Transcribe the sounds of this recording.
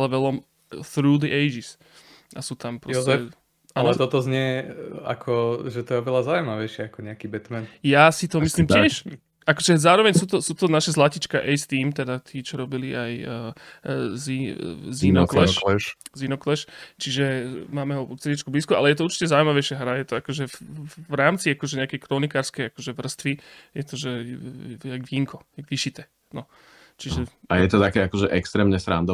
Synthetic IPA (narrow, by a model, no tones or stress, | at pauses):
lɛʋɛlɔm | θɾuːd̪iʔɛɪd͡ʒis | ʔasuːt̪ampɾɔsɛ | alɛt̪ɔt̪ɔzɲɛa̰kʰɔʒɛt̪ɔjɛɔʋɛlazaujmaʋɛjʃɪɛakɔɲɛakibɛt̪mɛnjasit̪ɔmisliːmcɪɛʃ | ʔakɔʒɛzaːɾɔʋɛɲsuːt̪ɔsuːt̪ɔnaʃɛzlacit͡ʃkaʔɛjst̪iːmt̪ɛd̪at̪iːt͡ʃɔɾɔbiliaj | zizinɔklɛlɛʃzinɔklɛʃt͡ʃiʒɛmaːmɛɦɔkt͡sɛɟit͡ʃkubliːskua̰lɛjɛt̪ɔuɾt͡ʃi̥cɛzaujmaʋɛjʃaɦɾajɛt̪ɔakɔʒɛvɾaːmt͡siakɔʒɛɲɛakɛjkɾɔnikaːɾskɛjakɔʒɛʋr̩st̪ʋijɛt̪ɔʒɛ | aɡʋiːŋkɔɡʋiʃit̪ɛː | nɔ | t͡ʃiʒɛajɛt̪ɔt̪akɛakɔʒɛʔɛkst̪ɾɛːmɲɛsɾa̰nd̪ɔ